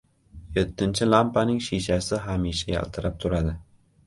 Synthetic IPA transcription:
jet̪ːɪnt͡ʃʰɪlampanɪŋʃiʃasɪɦameʃaja̰lt̪ʰɨɾap̚t̪ʰʊɾad̪ɪ

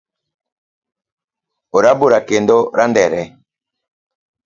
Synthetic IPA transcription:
oɾaboɾakendɔɾandɛɾɛ

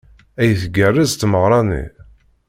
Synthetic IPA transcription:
æjθəɡərːəzt̪məʁɾˤɑnḭ

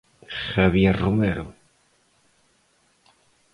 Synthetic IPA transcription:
xaβjɛɾrumeɾʊ

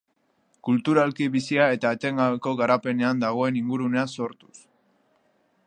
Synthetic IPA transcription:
kult̪uɾalkiβisiae̞t̪aet̪e̞ŋɡaβeko̞ɣaɾape̞ne̞and̪aɣ̞o̞e̞niŋɡuɾune̞aso̞ɾt̪u̥s

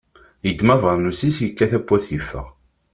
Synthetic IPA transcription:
jəd̪ːmævəɾˤnusisjəkːæθæbːæθjifːə̰ʁ

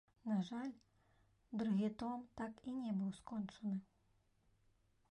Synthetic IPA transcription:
naʐalʲ | d̪ɾɨɣʲit̪ɔmt̪akinʲɛbɨwskɔnt͡ʂɐnɨ

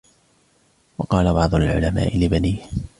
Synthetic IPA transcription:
wɑqɑːlabɑʕd̪ˤʊlʕʊ̰lama̰ːʔɪlɪbaniː

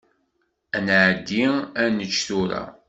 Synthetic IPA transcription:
ænʕd̪ːiænət͡ʃːθuɾa̰

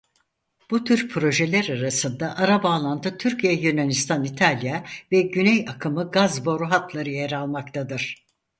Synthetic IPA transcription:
b̥ut̪ʰyɾpʰɾo̞ʒelʲæɾaɾasɯnd̪aʔaɾabaːlˠant̪ʰɯt̪ʰyɾcʰijɛjynanist̪ʰanit̪ʰalʲjavɛɟynɛjakʰɯmɯɡazbo̞ɾuɦat̪lˠaɾɯjeɾalˠmakt̪ʰad̪ɯɾ̥

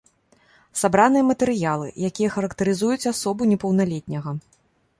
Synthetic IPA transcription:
sabɾanɨjɐmɐt̪ɛɾɨjalˠɨ̰jakʲijɐxɐɾɐkt̪ɐɾɨzujut͡sʲasɔbunʲɛpɐwn̪alʲɛt̪ʲnʲɐɣɐ

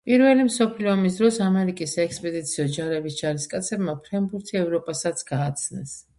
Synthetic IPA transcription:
pʼiɾvɛlimsɔpʰliɔamis̬d̪ɾɔsamɛɾikʼisaɛkspʼɛd̪it̪sʰiɔd͡ʒaɾɛbisd͡ʒaɾiskʼat̪sʰɛbmapʰɾɛmbuɾt̪ʰiɛvɾɔpʼasat̪sʰɡ̥aːt̪sʰnɛ̰s

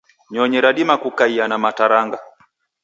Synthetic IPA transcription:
ɲɔɲɛɾaɗimakukaianamataɾaŋɡa

